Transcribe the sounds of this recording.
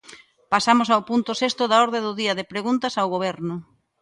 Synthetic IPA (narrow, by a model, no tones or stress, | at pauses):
pasamosawpunt̪ʊsest̪ʊðaɔɾðeðʊðiɐðɪpɾeɣunt̪ɐsawɣoβɛɾnʊ